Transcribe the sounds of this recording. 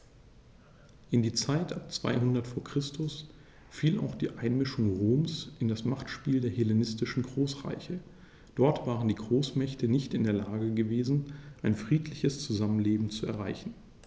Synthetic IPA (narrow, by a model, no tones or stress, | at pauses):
ʔɪndiːt͡saɪtʔap̚t͡sv̥a̰ɪɦʊndɐtfoːɐkʁ̥ɪstʊs | fiːla̰ʊxd̥iːʔaɪnmɪʃʊŋʁoːmsʔɪndasmaχtʃpiːldeːɐhelenɪstɪʃn̩ɡʁoːsʁa̰ɪçə | d̥ɔɐtv̥aːʁəndiːɡʁoːsmɛçtənɪçtɪndeːɐlaːɡəɡəveːzn̩ʔaɪnfʁ̥iːtʰlɪçəst͡suzamənleːbm̩t͡suɛ̰ɐʁ̞aɪçn̩